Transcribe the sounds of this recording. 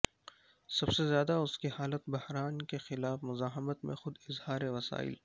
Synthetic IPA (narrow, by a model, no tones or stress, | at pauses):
sɐbsezjaːd̪aʊskihaːlət̪bɐhɾaːnkexɪlaːfmʊzaːɦɪmət̪mḛ̃xʊd̪ɪzhaːɾeʋɐsa̰ːɪ̰l